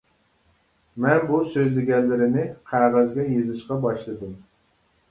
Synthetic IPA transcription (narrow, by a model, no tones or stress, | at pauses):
mɛnbusøzlɪɡʲɛnːɪɾɪnɪqʰæʁæzɡʲɛjezɨʃqɑbɑʃlˠɨd̪ɨm